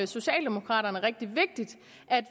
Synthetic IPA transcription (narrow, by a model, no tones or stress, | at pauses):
so̝ɕɛ̰ːld̥e̝mokʰʁɑ̰̈ːɾɐnəʁɛɡ̥̚d̥iʋe̝ɡ̥̚d̥id̥ | ʔæd̥